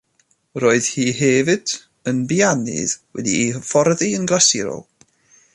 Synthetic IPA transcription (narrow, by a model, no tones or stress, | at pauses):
ɾoːɨð̥hiːɦɛːvɨd̥ | ənbianɨ̰ðwɛ̰difɔrðiənɡlasɪɾɔ̰lˠ